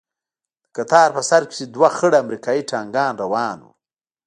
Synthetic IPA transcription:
d̪̥ə̥kat̪ɑːɾpəsaɾkɪ̥sed̪waxəɽaamɾikɑːjiʈɑːŋɡɑːnɾawɑːnwṵ

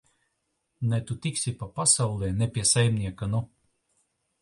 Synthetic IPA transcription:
nɛt̪ut̪iksʲipapasawlˠɛːnɛpʲiɛsajmniɛkanu

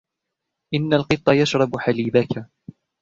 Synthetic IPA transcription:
ʔɪnːalqɨt̪ˤːɑjaʃɾˤɑbħaliːbaka

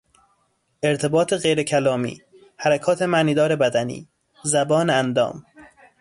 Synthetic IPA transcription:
ʔeɾt̪ʰebɒːt̪ʰeɣejɾecʰælɒːmḭː | hæɾækʰɒːt̪ʰe̞mæniːd̪ɒːɾe̞bæd̪ænḭː | zæbɒːneænd̪ɒ̰ːm

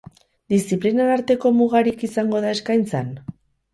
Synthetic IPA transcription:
d̪isiplinaaɾt̪e̞ko̞muɣaɾikisaŋɡo̞ðae̞skajnt͡san

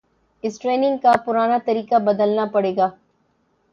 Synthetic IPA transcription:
ɪsʈɾeːnɪ̃ŋɡkapʊɾaːnat̪ɐɾiːkabɐd̪əlnapɐɽeːɡaː

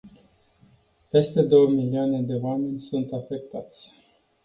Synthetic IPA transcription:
pe̞st̪e̞d̪o̞wəmiliane̞d̪e̞oame̞nʲsunt̪afe̞k̚t̪at̪sʲ

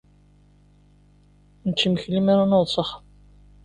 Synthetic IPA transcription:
nət͡ʃːiməçlimæɾanoðˤsˤəχ

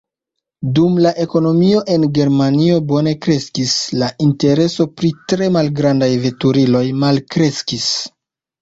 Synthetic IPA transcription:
dumlaʔe̞ko̞no̞mio̞ʔe̞nɡe̞ɾmanio̞bo̞ne̞kɾe̞skislainte̞ɾe̞so̞pɾitɾe̞malɡɾandajve̞tuɾilo̞jmalkɾe̞skis

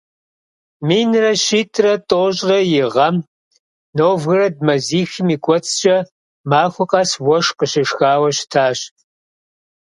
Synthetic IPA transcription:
miːnrɐɕiːtʰʼrɐtʼoːɕʼrɐjɪʁɐm | noːvɣɨrɐd̚mɐziːxɪmiːkʷʼɔt͡sʰʼɕʼɐ | maːxʷʊqʼɐswɔʃqəɕɪʂxaːwɐɕtʰaːɕ

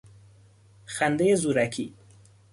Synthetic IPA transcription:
xand̪ejezuɾakʰi

